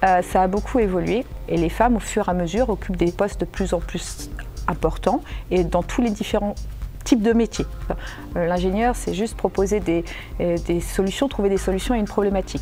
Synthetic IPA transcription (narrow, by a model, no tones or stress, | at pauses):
øsaːbokʰuevɔlɥeelefamofyʁaməzyʁɔkʲʰypd̪epɔst̪̚d̪əplyzɑ̃plysɛ̃pɔʁt̪ɑ̃ed̪ɑ̃t̪ʰuled̪ifeʁɑ̃t̪ʰip̚d̪əmet̪je | lɛ̃ʒenjœʁsɛʒyst̪̚pχɔpozed̪e | d̪esɔlysjɔ̃t̪χuved̪esɔlysjɔ̃aynpχɔblemat̪ʰik